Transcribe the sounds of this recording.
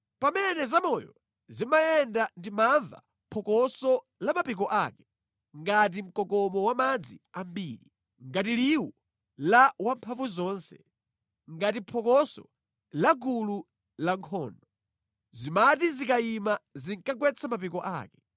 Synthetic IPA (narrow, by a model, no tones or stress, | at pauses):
pamɛnɛzamɔjɔ̰ | zimajɛndandimaɱva̰ | pʰɔkɔsɔ | lamapik̬ɔʔaːkɛ̥ | ŋɡat̬im̩kɔkɔmɔwamad͡ziambiːɾi | ŋɡatiliwɔ | lawampʰavuzɔːnsɛ̰ | ŋɡatipʰɔkɔsɔ̰ | lakulu | laŋkʰɔːndɔ | zimatizikaimaziŋkaɡwɛt͡sʰamapikɔʔa̰ːkɛ̥